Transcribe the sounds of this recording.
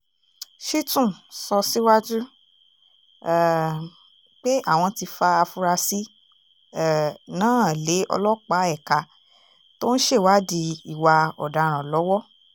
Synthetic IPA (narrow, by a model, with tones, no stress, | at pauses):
ʃi˦tũ˦˨sɔ˧si˦wa˦d͡ʒu˦˨ | k͡pe˦a̰˦˨w̃ɔ̃˧ti˧fa˧a˧fu˧ɾa˧si˦˨ | nãː˦˨le˨˦ɔ̰˧lɔ˦k͡pa˨˦ɛ˦˨ka˧ | to˦ñ̩˦ʃe˦˨wa˦di˧i˨wa˧ɔ˨da˨ɾ̃ã˨lɔ˨˦wɔ˦